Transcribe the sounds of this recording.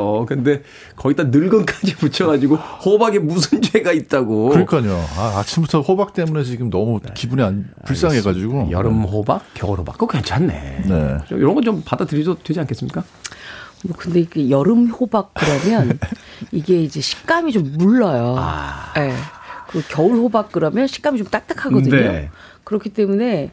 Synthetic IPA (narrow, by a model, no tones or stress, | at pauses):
okɯnde̞ | kʌɡit͈anɯɭɡɯnk͈ad͡ʑiput͡ɕʰʌɡad͡ʑiɡohobaɡemusʰɯnd͡ʑueɡait̚t͈aɡoɯɲikʰaɲoaat͡ɕʰimbutʰʌɸobak̚t͈e̞mune̞sʰʌt͡ɕiɡɯmnʌmukibuneanpuɭs͈aŋɦeɡad͡ʑiɡojʌ̰ɾɯmɦobak̚k͈ːjʌŋʌɾoba̰kɯkent͡ɕʰanːḛne̞̰ʌ̰joɾʌŋɡʌt͡ɕompadatɯɾidodwed͡ʑiankʰes͈ɯmɲik͈a | mwʌkɯnde̞ɡejʌɾɯmhobak̚k͈ɯɾʌmjʌniɡe̞id͡ʑe̞ɕʰi̥kk͈amit͡ɕomːuɭːʌjo̰je̞kɯkjʌuɭɸobak̚k͈ɯɾʌmjʌnɕʰi̥k͈̚amit͡ɕomt͈ak̚t͈akʰaɡʌdɯnɲeo | kɯɾʌkʰit͈e̞mune̞